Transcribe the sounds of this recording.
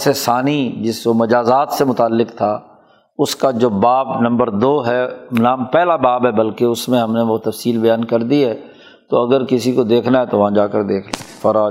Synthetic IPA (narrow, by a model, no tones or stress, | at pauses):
sesaːnid͡ʒɪsomɐd͡ʒaːzaːt̪semʊt̪aːlːɪkt̪ʰaː | ʊskad͡ʒoːbaːbnɐ̃mbəɾd̪oːɦɛnaːmpɛːlabaːbɦɛbɐlkeʊsmẽɦɐmneʋot̪ɐfsiːlbɐjaːnkɐɾd̪iɦɛː | t̪oɐɡəɾkɪsikod̪eːkʰnaɦɛt̪oʋɐɦãd͡ʒaːkəɾd̪eːkʰlefɐɾaː